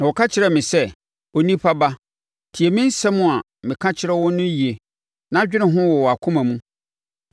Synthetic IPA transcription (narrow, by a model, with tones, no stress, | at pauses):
nã˨wɔ˨kʰa˦t͡ɕʰɪ˦ɾɛ˨mɪ̃˨sɛ˦ | o˦nĩ˦pʰa˦ba˦ | tʰi˨e˨mɪ̃˦n̩˦sɛ̃˦mʊ̃˦a˨ | mɪ̃˨kʰã˦t͡ɕʰɪ˦ɾɛ˦wɔ̃˦nʊ̃˦ji˨e˨ | nã˦d͡ʑᶣɪ˦nɪ̃˨ɦʊ̃˦wɔ˨wɔ˨a˨kʰʊ̃˦mã˨mũ˦